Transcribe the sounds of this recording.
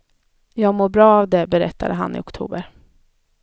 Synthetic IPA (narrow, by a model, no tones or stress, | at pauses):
jɑːɡmoːɾbɾɑːavd̪ɛbɛɾɛ̰t̪ʰːad̪əɦa̰nʔɪ̰ʊkt̪ʰṵːbəɾ